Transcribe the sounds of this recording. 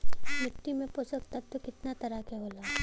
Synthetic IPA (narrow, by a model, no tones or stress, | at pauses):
mɪʈːimẽposəkt̪at̪ːokɪt̪nat̪ɐɾakeɦoːlaː